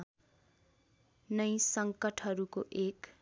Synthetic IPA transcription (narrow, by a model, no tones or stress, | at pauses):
nʌjsʌŋkʌʈʰɦʌɾukoʔek